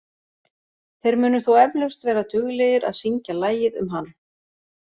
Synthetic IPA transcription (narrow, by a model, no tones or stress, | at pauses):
θejɾmʏːnʏθuwɛvlœwst̪vɛːɾat̪ʏɣlejɪɾa̰ðsiɲcalaːjɪðʏ̰mɦanː